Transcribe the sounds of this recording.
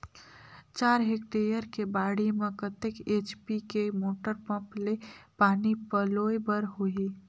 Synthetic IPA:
t͡ʃaːɾɦekʈeɾijəɾkebaːɽimẽkət̪ekeːt͡ʃpikemoːʈəɾpə̃plepaːnipəloːjbəɾɦoi

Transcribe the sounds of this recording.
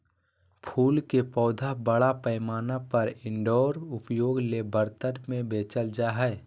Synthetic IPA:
pʰuːlkepɔːd̪ʱabəɽapəɪmaːnapəɾɪ̃ɳɖɔːɾʊpjoːɡlebəɾt̪əɾmẽbeːt͡ʃəld͡ʒaɦɛː

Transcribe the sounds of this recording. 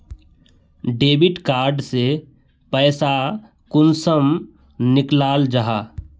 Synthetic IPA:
ɖeːbɪʈkaːɾɖse | pɛːsa | kʊnsəm | nɪklaːld͡ʒaɦaː

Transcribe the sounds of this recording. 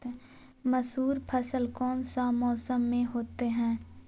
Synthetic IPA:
məsuːɾpʰəsəlkɔːnsamɔːsəmːẽɦoːt̪eɦɛ̃ː

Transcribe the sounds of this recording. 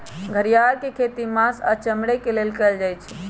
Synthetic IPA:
ɡʱəɾijaɾkekʰet̪imãsə̰t͡ʃəmɽekelelkəld͡ʒajt͡ʃʰɛ̥

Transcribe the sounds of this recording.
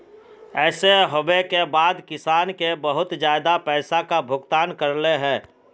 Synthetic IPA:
ɛːseɦobekebaːd̪kɪsaːnkebəɦʊt̪d͡ʒjaːɪd̪apɛːsakabʱʊɡt̪aːnkəɾleɦɛ̃ː

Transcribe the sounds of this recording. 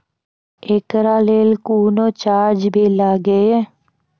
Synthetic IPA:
ekɾaːleːlkuːnoːt͡ʃaːɾd͡ʒbʱiːlaːɡeɛː

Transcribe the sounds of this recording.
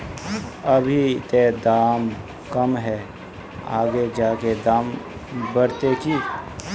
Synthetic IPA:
ɐbʱit̪eːd̪aːm | kɐmɦɛ | a̰ːɡed͡ʒaːked̪aːm | bəɾt̪eki

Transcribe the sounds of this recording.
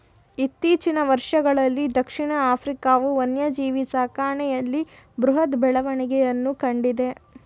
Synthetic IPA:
it̪ːiːt͡ʃinɐʋɐɾʂɐɡɐɭɐlːid̪ɐkʂiɳɐaːpʰɾikaːʋuʋɐnjɐd͡ʒiːʋisaːkaːɳɛjɐlːi | bɾuɦɐt̪bɛɭɐʋɐɳiɡɛjɐnːukɐɳɖid̪e̞

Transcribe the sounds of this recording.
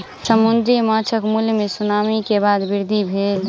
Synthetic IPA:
səmund̪ɾijmat͡ʃʰəkmuljmesunaːmikebaːd̪bɪɾd̪ʱibʱeːl

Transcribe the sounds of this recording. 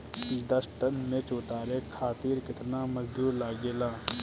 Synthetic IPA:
d̪əsʈənmẽt͡ʃoːt̪aːɾeːkʰaːt̪iːɾkɪt̪naːməzd̪uːɾlaːɡeːlaː

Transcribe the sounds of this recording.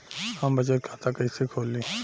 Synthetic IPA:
hɐmbɐt͡ʃət̪̚kʰaːt̪akɐisekʰoːlːi

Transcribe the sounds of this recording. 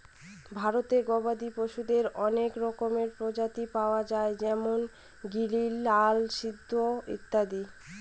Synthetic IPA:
bʱaɾot̪eɾɡɔbad̪ipoʃud̪eɾɔnekɾɔkomeɾpɾod͡ʑat̪ipaoad͡ʑaed͡ʑɛmon | ɡililːalʃid̪ʱːoḭt̪ːad̪i

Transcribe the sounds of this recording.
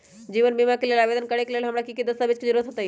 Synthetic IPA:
d͡ʑiːʋənbimakilelabed̪ənkəɽekelelɦəmɽakikid̪əsabet͡ɕkid͡ʑiɾot̪ɦot̪aji

